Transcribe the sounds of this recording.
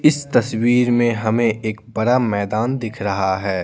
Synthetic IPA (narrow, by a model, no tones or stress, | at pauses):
ɪst̪ɐswiːɾmẽɦɐmẽʔeːk̚bɐɽamɛːd̪aːnd̪ɪkʰɾɐɦaɦɛː